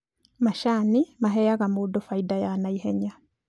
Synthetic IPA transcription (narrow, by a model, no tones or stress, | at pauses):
maʃanimaɦɛjaɣamoːdɔfaidajanaiɦɛɲa